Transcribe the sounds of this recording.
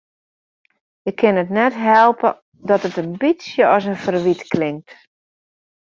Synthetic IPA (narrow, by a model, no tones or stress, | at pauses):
ɪkʰːɪnətnɛtɦɛlˠpə̰ | dɔtətənbisjəɔsənfərʋitklɪŋt